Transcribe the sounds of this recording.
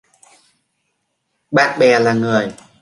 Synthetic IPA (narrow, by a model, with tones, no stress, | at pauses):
ɓaː˦˥k̚ɓɛː˨˧˩laː˨˩ŋɯ˨˩əj